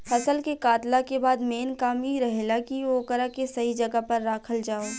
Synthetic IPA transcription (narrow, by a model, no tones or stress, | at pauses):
hɐsəlkekaːt̪lakebaːd̪meːnkaːmiɾɐɦelakioːkəɾakesɐɦid͡ʒɐɡapɐɾːaːkʰəld͡ʒaːoː